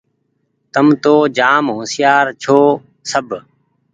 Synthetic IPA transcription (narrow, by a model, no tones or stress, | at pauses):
t̪əmt̪oːd͡ʒaːmɦõːsɪjaːɾt͡ʃʰoː | səb